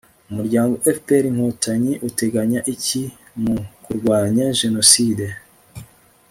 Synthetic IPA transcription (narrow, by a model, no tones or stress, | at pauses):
umuɾɟaːŋɡo̞ʔefpeɾiŋ̥hotʰaɲeʔuteɡaɲaʔici | mukuɾɡwaːɲaʒe̞no̞siːde